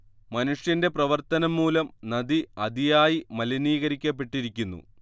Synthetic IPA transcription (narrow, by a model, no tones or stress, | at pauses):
mɐnuʂjɐnde̞prɐʋɐrt̪ɐnɐmːuːlɐmnɐd̪iɐd̪ijaːjimɐlɐniːɣɐɾikʲːɐp̬ːe̞ʈːiɾikʲːunːṵ